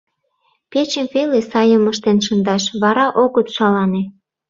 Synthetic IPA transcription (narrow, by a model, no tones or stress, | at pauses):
pet͡ɕəmvelesɑjəməʃt̪enʃə̆nd̪ɑʃβɑɾɑʔoɣət̪ʃɑlɑne